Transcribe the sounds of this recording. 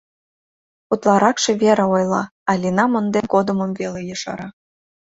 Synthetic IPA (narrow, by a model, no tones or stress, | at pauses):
ut̪lˠɑɾɑkʃeβeɾeojlˠɑ̰ɑlʲinɑmond̪enkod̪əməmvelejəʃɑ̰ɾɑ